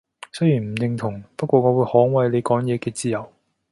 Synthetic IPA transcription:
sɵ˥ɥjiː˨˩m̩˨˩jɪ˧ŋt̪ʰʊ˨˩ŋpɐ˥t̚kʷɔː˧ŋɔː˨˧wu˨˧jhɔː˨˥ŋwɐ˨˧jle˨˧jkɔː˨˥ŋjɛː˨˧kɛː˧t͡siː˧jɐ˨˩w

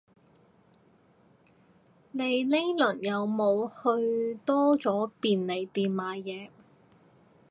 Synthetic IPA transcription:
ne˨˧jle˥jlɵ˨˩njɐ˨˧wmo˨˧whɵ˧ɥt̪ɔː˥t͡sɔː˨˥piː˨nle˨˩jt̪iː˨mmaː˨˧jɛː˨˧

